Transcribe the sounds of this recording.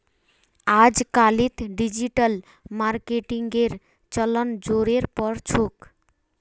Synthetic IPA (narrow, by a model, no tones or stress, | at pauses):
ad͡ʒkalit̪ɖid͡ʒiʈəl | maɾkeʈiŋɡeɾ | t͡ʃələnd͡ʒoɾeɾpəɾt͡ʃʰok